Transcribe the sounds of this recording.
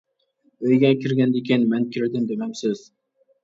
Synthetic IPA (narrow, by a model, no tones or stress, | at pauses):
øjɡʲɛkʲʰiɾɡʲɛnd̪ekʲʰenmænkʲʰɪɾɪd̪ɪmd̪emæmsɪz̥